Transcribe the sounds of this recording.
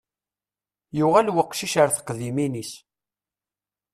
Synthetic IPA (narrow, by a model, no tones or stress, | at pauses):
jʊʁælwəqːʃiʃəɾθə̥qːðiminis